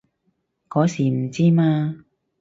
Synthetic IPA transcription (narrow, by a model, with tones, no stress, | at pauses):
kɔː˨˥siː˨˩m̩˨˩t͡siː˥maː˧